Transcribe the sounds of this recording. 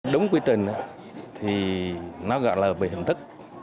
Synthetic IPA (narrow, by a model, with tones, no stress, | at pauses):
ɗʊ˨˦wŋ͡mkwi˧ət͡ɕï˨˩ŋ̟ʔa˨˦ | t̪ʰi˨˩nɔ˨˦ɣɔ̰˧˨jlaː˨˩vḭ˧˨˩hï˨˩ŋ̟t̪ɨ˦˥k̚